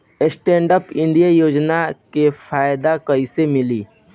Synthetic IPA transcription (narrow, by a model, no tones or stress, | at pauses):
esʈẽːɳɖəpɪ̃nd̪ijajoːd͡ʒnakefʰaːjd̪akɐisemɪliː